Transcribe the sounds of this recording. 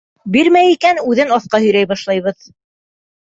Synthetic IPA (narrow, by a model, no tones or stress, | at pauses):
biɾmæjikænʉðɘnɑθqɑhɵ̆jɾæjbɑʃlˠɑjβɤð